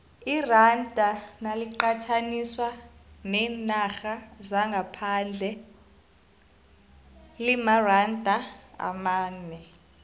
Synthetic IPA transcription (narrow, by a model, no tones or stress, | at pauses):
irand̥ʱanaliǃatʰaniswanɛːnaxazaŋɡʱapʰand͡ɮʱɛ | limarandʱaa̰maːnɛ